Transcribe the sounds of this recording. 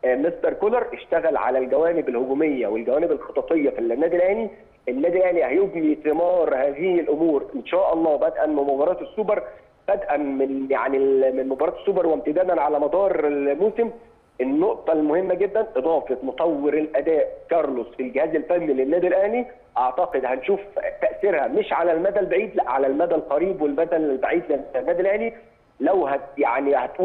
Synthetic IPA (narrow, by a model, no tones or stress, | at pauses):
mest̪ɑɾˤkolɑɾˤʔeʃt̪æɣælʕa̰lælɡæwæːnɪbelhoɡuːmejːæwelɡæwæːnebelxɑt̪ˤɑt̪ˤejːɑfilnːæːd̪ilʔæhli | enːæːd̪ilʔæhlihæjoɡnit̪emɑːɾˤhæːðihlʔomuːɾʔenʃæːʔɑlˤːɑːbæd̪ʔænmɪnmobɑɾˤɑːt̪esːubɑɾˤ | b̥æd̪ʔænmɪnja̰ʕnimenmobɑɾˤɑːt̪e̥sːuːbɑɾˤweb̚t̪ɪd̪æːd̪ænʕalæmɑd̪ˤɑːɾˤelmuːsɪm | ʔennːoʔt̪ˤɑlmohemːæɡed̪ːænʔed̪ˤɑːfet̪mot̪ˤɑwːeɾelʔæd̪æːʔkɑɾˤlosfilɡɪhæːzelfænːilenːæːd̪ilʔæhli | ʔɑʕt̪ɑqed̪hænʃuːft̪æʔseɾhæmeʃʕalælmæd̪ælbaʕiːd̪læʔʕalælmæd̪ælqɑɾiːbwelmæd̪ællbaʕiːd̪lænːæːd̪ilʔæhli | læwɦæjaʕnihæt̪ʔuː